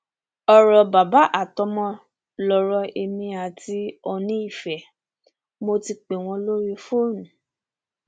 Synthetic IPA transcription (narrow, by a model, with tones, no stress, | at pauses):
ɔ˨ɾɔ˨ba˨ba˨˦ʔa˦˨tɔ˧mɔ̃˧ | lɔ˧ɾɔ˧ʔe˧mĩ˧a˨ti˦ɔ˧nĩ˦i˦˨fɛ˨ | mo˧ti˧k͡pe˨w̃ɔ̃˧lo˦ɾi˧fo˦˨nũ˨